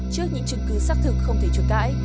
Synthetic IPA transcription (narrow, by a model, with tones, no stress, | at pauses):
t͡ɕɨ˦˥ək̚ɲɨ̰˧˥ŋt͡ɕɨ̰˨˧˩ŋkɨ˨˦saː˦˥k̚t̪ʰɨ˨˩k̚xə˧wŋ͡mt̪ʰe˧˩t͡ɕu˨˩k̚ka̰ː˧˥j